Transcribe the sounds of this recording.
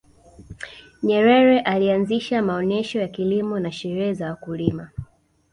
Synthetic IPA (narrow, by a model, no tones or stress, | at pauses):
ɲɛɾɛɾɛʔalianziʃamaɔnɛʃɔjakilimɔnaʃɛɾɛɛzawakulima